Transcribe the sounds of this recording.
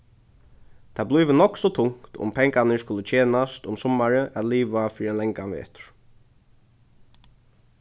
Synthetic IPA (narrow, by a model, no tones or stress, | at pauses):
t̪ʰablɔjʋɪnɔksɔt̪ʰʊŋkt̪ʊ̰mpʰɛŋkanəskʊlət͡ʃʰeːnast̪ʊmsɔmːaɹəʔat̪liːʋafiːɾɛnlɛŋkanʋɛ̰ːt̪ɹ̥